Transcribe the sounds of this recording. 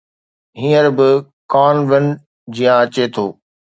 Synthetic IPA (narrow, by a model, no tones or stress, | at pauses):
ɦĩːəɾbɪ | kaːnʋɪn | d͡ʑijãɐt͡ɕet̪ʰoː